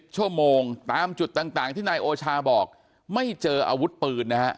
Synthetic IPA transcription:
p̚t͡ɕʰu˥˩əmoː˧ŋt̪aː˧mt͡ɕu˨˩t̪ːaː˨˩ŋt̪aː˨˩ŋt̪ʰiː˥˩naː˧jʔoː˧t͡ɕʰaː˧bɔː˨˩k̚ | ma˥˩jt͡ɕɤː˧ʔa̰ː˧wu˦˥t̪̚pɯː˧nːa˦˥ʔ

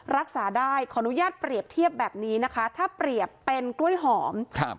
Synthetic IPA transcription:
ɾa˦˥k̚saː˩˦daː˥˩jkʰɔ˩˧ʔnu˦˥jaː˥˩t̪̚pɾi˨˩əp̚t̪ʰi˥˩əp̚bɛː˨˩p̚niː˦˥na˦˥kʰa˦˥t̪ʰaː˥˩pɾi˨˩əpːe˧nklu˥˩əjɦɔː˩˦mk̚ʰ

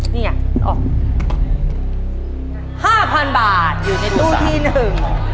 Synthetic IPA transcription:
niː˥˩ŋa˧˥˩ʔɔ̰ː˨˩k̚ | haː˥˩pʰa˧nbaː˨˩t̪̚juː˨˩na˧jt̪uː˥˩t̪ʰiː˥˩nɯɯ˨˩ŋ

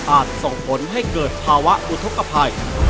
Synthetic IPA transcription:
ʔaː˨˩t̪̚so˨˩ŋpʰo˩˦nɦa˥˩jkɤː˨˩t̪̚pʰaː˧wa˦˥ʔʔu˧t̪ʰo˦˥ka˧pʰa˧j

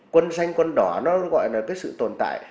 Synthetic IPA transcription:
kwə˧nsa˧jŋ̟kwə˧nɗɔ˨˩nɔ˨˦ɣɔ̰˧˨jlaː˨˩kəː˨˦jsɨ̰˧˨t̪o˨˩nt̪a̰ː˧˨j

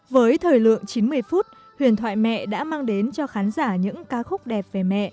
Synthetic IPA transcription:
vəː˨˦jt̪ʰəː˨˩jlɨ̰˧˨əŋt͡ɕi˨˦nmɨ˧əjfu˦˥t̚ | hwi˨˩ənt̪ʰwa̰ː˧˨jmɛ̰˧˨ɗa̰ː˧˥maː˧ŋɗe˨˦nt͡ɕɔ˧xaː˨˦nzaː˧˩ɲɨ̰˧˥ŋkaː˨˦xʊ˦˥k͡p̚ɗɛ˨˩p̚ve˨˩mɛ̰˧˨ʔ

